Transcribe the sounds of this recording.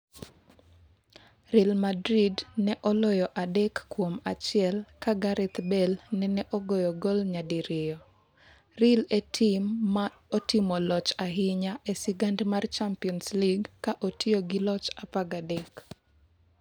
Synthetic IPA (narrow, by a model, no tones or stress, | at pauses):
ɾɛlmadɾidnɛʔɔlɔjɔʔadɛkːwomat͡ʃɪɛlkaɡaɾɛt̪bɛlnɛnɛʔoɡɔjɔɡolɲadiɾɪjɔ | ɾɪletʰimːa | otimɔlɔt͡ʃaɦɪɲaʔesɪɡandmart͡ʃampiɔnsliɡkaʔotioɡɪlɔt͡ʃapaɡadɛk